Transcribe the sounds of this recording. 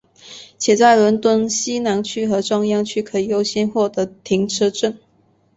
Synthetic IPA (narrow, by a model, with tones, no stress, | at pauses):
t͡ɕʰjɛ˨˩t͡sa˥˩ɪlə˧˥nt̪wə˥˩nɕi˥na˧˥nt͡ɕʰy˥xɤ˧˥ʈ͡ʂwɑ˥ŋjɑ˥ŋt͡ɕʰy˥kʰɤ˧˥i˨˩jo˥ʊɕjɛ˥nxwɔ˥˩d̪ə˧˥t̪ʰi˧˥ŋʈ͡ʂʰɤ˥ʈ͡ʂə˥˩n